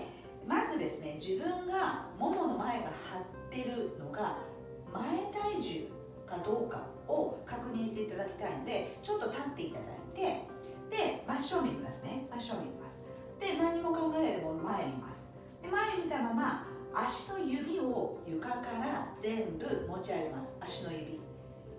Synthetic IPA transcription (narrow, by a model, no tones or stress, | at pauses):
mazɨd̪e̞sɨne̞d͡ʑibɯ̟̃ŋɡamo̞mo̞no̞mae̞ɡahat̪ːe̞ɾɯ̟no̞ɡa | mae̞t̪aiʑɨ | kad̪o̞ːka̰ | o̞kakɯ̟ɲ̟ĩɕi̥t̪e̞it̪ad̪akʲi̥t̪aino̞d̪e̞t͡ɕo̞t̪ːo̞t̪at̪ːe̞it̪ad̪a̰ḭt̪e̞ | d̪̥e̞maɕo̞mʲimʲimasɨ̥ne̞maɕo̞ːmʲimʲḭma̰sɨ̥ | d̪̥e̞nãɲ̟ːimo̞kãŋɡaet̪et̪e̞mo̞mae̞mʲima̰sɨ̥ | d̪̥e̞mae̞mʲit̪amamaː | ɕi̥no̞jɯ̟bʲio̞jɯ̟kakaɾazẽ̞mbɯ̟mo̞t͡ɕiaɡemasɨ̥aɕino̞jɯ̟bʲi